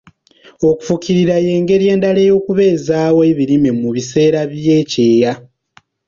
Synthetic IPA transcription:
o̞ku̥fukiɾiɾaje̞ːŋɡe̞ɾie̞ːndale̞jo̞ːkuβe̞ːzaːwoeβiɾimemuβise̞ːɾaβje̞ːce̞ːja

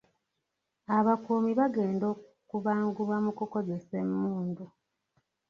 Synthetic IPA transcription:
aβakuːmiβaɡeːndo̞ː | kuβaːŋɡuβamukuko̞ze̞semːuːndu

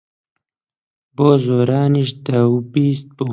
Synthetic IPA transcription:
boːzoːɾɑːniʃd̪awbiːst̪̚bu

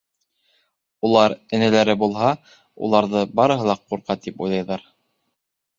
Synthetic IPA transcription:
ulˠɑɾɘ̆nɘ̆læɾɘbulˠɦɑ | ṵlˠɑɾðɤbɑɾɤ̆ɦɤ̆lˠɑqːuɾqɑt̪ipṵjlˠɑjðɑɾ

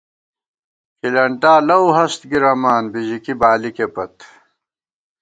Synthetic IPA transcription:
kilɐɳʈaːlɐwɦɐst̪ɡiɾɐmaːnbiʑikibaːlikepɐt̪

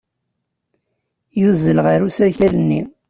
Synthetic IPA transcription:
juzːəlʁaɾusæçæðənːḭ

